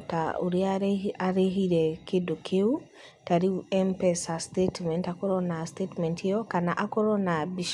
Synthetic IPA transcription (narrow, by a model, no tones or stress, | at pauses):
ta̰ṵɾiaaɾeɦiɾɛkedokʰeu | taɾiuɛmpɛsastetmɛntakɔɾɔnastetmɛntɔkanaʔakɔɾɔnabiʃ